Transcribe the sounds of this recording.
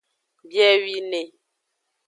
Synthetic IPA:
bjɛ˦ɥi˦ne˨

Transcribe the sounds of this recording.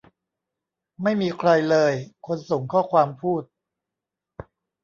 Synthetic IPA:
ma˥˩jmiː˧kʰɾa˧jlɤː˧jkʰo˧nso˨˩˦ŋkʰɔː˥˩kʰwaː˧mpʰuː˥˩t̪̚

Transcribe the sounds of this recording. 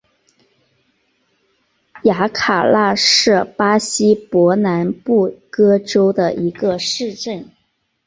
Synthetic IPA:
ja˧˥kʰa˨˩la˥˧ʂɻ̩˥˩pa˥ɕi˥pwɔ˧˥na˧˥npu˥˩kɤ˥ʈ͡ʂo˥ʊd̪ə˨ʔi˧˥ɡə˧ʂɻ̩˥˧ʈ͡ʂə˥˩n

